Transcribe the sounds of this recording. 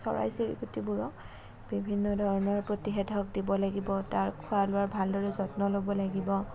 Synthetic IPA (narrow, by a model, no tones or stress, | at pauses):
sɔ̰ɹa̰jsiɹḭkutibuɹɔ | b̥ibʱinːɔdʱɔɹɔnɔɹpɹotixɛtʰɔk̚dibɔlaɡibɔtaɹkʰʊalʊaɹbʱaldɔɹɛzɔtnɔlobɔlaɡibɔ